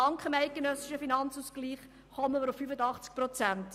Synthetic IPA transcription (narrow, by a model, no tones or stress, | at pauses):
ɑŋkχəmæɪt̚ɡ̥enœsɪ̥ʃəfinɑnt͡suːskliːχ | χɔməməɾʊfːyfədɑχt͡sk̚pɾɔt͡sænt